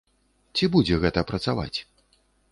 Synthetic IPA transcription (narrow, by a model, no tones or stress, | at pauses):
t͡sʲibud͡zʲɛɣɛt̪ɐpɾɐt̪sava̰t͡sʲ